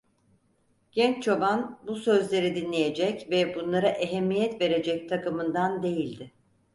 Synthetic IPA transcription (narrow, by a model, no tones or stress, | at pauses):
ɟ̥ɛnt͡ʃt͡ʃʰo̞banbusø̞zlʲe̞ɾid̪inlʲeje̞d͡ʒɛcvɛbunlˠaɾaʔeɦɛmːijɛt̪ve̞ɾe̞d͡ʒɛc̚t̪ʰakɯmɯnd̪and̪e̞jilʲd̪ɪ